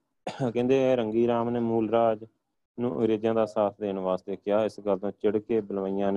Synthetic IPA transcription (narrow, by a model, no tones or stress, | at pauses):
kɛ̃ːnd̪eːɾəŋɡiːɾaːmneːmuːlɾaːd͡ʒ | nũːʔə̰ŋɡɾeːd͡ʒãːd̪aːsaːt̪ʰd̪eːnʋaːst̪eːkɪaːɪsɡəlt̪õːt͡ʃɪɽkeːbəlʋaːijãːne